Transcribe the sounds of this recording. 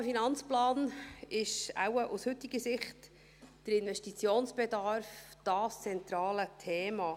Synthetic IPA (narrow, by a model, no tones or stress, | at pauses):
finɑnt͡splɑːnɪʃa̰wəʔushʉtiɡəsɪχt | d̥əɾɪnvɛʃtit͡sjoːnsb̥edɑɾfd̥ɑːst͡sɛnt̪ɾɑːlətʰeːmɑ